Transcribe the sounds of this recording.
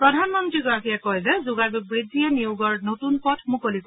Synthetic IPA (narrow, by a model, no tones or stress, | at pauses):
pɹɔdʱanmɔntɹiɡɔɹapʰijɛkɔjzɛzʊɡabibɹizijɛnijuɡɔɹnotunpɔtʰmukolik